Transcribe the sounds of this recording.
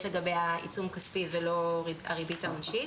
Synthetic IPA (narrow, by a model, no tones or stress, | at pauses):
leɡabejaʔḭt͡sumkaspivelo̞ʁia̰ʁibitaonʃi